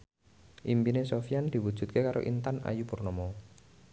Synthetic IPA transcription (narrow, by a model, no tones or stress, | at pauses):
ʔimpinesofijand̪̥i̤wud̥ʒ̥ṳt̪̚kekaɾʔo̰ʔint̪ana̰jupurnɔmɔ